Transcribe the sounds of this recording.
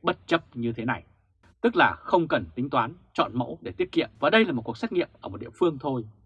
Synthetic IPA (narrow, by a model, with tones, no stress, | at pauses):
ɓə˦˥t̚t͡ɕə˦˥p̚ɲɨ˧t̪ʰe˨˦na˨˩j | t̪ɨ˦˥k̚laː˨˩xə˧wŋ͡mkə˨˩nt̪ï˨˦ŋ̟t̪waː˨˦n | t͡ɕɔ̰˧˨nmə̰˧˥wɗe˧˩t̪i˦˥ət̚kḭ˧˨əmvaː˨˩ɗə˧jlaː˨˩mo˨˩t̚ku˨˩əsa˦˥k̚ŋḭ˧˨əmʔəː˧˩m˨˩t̚ɗ̰i˧˨əfɨ˧əŋt̪ʰo˧j